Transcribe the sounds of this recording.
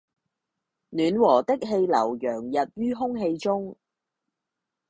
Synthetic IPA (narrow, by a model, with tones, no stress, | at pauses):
nyː˨˧nwɔː˨˩t̪ɪ˥k̚ɦe˧jlɐ˨˩wjœː˨˩ŋjɐ˨t̚ɥyː˥ɦʊ˥ŋɦe˧jt͡sʊ˥ŋ